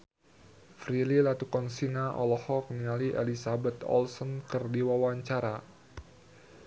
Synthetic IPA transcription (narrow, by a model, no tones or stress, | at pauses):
fɾililat̪ukɔnsinaʔɔ̰lɔhɔk̚nialiʔelisabɛt̪ɔ̰lsɔnkɨrdiwawaɲt͡ʃaɾa